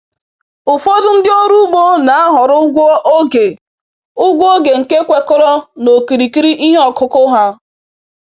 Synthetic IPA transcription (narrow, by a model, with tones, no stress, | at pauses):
ʊ˨fo˦dʊ˦n̩˦dɪ˦o˦ɾu˦ɡ͡bo˦na˨a˦ɦʊ˨ɾʊ˦ʊ˦ɡʷo˦ʔo˦ɡe˨ | ʊ˦ɡʷo˦ɡe˨ŋ̩˨ke˦kʷe˨kʊ˦ɾɔ˦no˨ki˨ɾi˨ki˦ɾi˦ʔi˦ɦe˦ɔ˨kʊ˦kʊ˦ɦa˦